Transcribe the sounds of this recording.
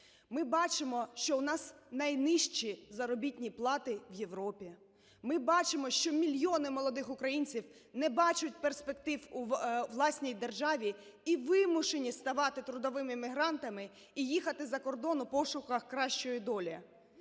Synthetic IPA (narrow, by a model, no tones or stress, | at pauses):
mɪbɑt͡ʃɪmɔʃt͡ʃɔʊnɑsnɐjnɪʃt͡ʃizɐɾɔbʲitʲnʲiplˠɑt̪ɪʋje̞ʋɾɔpʲi | mɪbɑt͡ʃɪmɔʃt͡ʃɔmʲilʲjɔnɪmɔlˠɔd̪ɪxʊkɾɐjinʲt͡sʲiw | nɛbɑt͡ʃʊt̚ʲperspek̚t̪ɪwuʋlˠɑsʲnʲijd̪erʒɑʋʲi | iʋɪmʊʃenʲist̪ɐʋɑt̪ɪt̪ɾʊd̪ɔʋɪmɪmʲɪɦɾɑnt̪ɐmɪ | ijixɐt̪ɪzɐkɔrd̪ɔnʊpɔʃʊkɐxkɾɑʃt͡ʃɔjid̪ɔlʲɐ